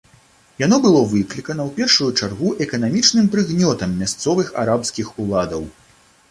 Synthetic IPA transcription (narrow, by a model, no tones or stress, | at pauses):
janɔbɨlˠɔvɨklʲikɐnɐwpʲɛrʂujut͡ʂarɣuʔɛkɐn̪amʲit͡ʂnɨmpɾɨɣnʲɔt̪ɐmːʲast̪sɔvɨxa̰ɾapsʲkʲixulˠad̪ɐw